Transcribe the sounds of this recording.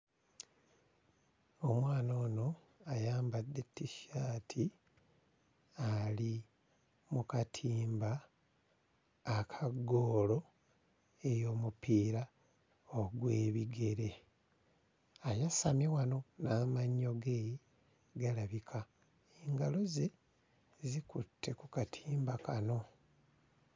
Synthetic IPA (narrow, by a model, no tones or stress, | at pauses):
o̞mwaːno̞ːno̞ | ajaːmbadːe̞tːiʃaːtʰi | ali | mukatʰiːmba | kʰaɡo̞ːlo̞ | e̞jo̞ːmupiːɾa | oɡwe̞ːβiɡe̞ɾe̞ | ajasamjewano̞naːmaɲːo̞ɡeːji | ɡalaβikʰa | eŋɡalo̞ze | zikutʰːe̞kukatʰiːmbakano̞